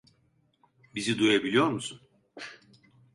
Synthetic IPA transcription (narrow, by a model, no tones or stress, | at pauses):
bizid̪ujabilʲijo̞ɾmusun